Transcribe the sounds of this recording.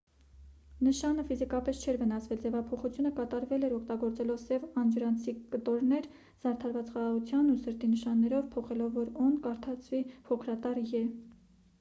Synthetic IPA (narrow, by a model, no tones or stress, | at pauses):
nəʃɑnəfizikɑpɛst͡ʃʰɛɾvənɑsvɛld͡zɛvɑpʰɔχut͡sʰjunəkɑt̪ɑɾvɛlɛɾɔkʰt̪ɑɡɔɾt͡sɛlɔvsɛvɑnd͡ʒəɾɑnt͡sʰikət̪ɔɾnɛɾ | z̥ɑɾt̪ʰɑɾvɑt͡sχɑʁɑʁut͡sʰjɑnusəɾt̪inəʃɑnːɛɾɔvpʰɔχɛlɔvːɔɾɔnkɑɾt̪ʰɑt͡sʰvipʰɔkʰɾɑt̪ɑɾjɛ